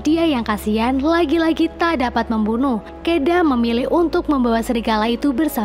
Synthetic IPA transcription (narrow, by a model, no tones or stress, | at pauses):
diajaŋkasianlaɡilaɡit̪adapat̪̚məmbunʊh | kedaməmilɪhunt̪ʊk̚məmbawahsəɾiɡalait̪ubərsa